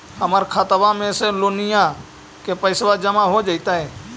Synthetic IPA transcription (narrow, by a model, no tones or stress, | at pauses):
həməɾkʰat̪əʋamẽseloːnɪjã | kepəɪsʋad͡ʒəmaɦod͡ʒaːɪt̪aɦɛː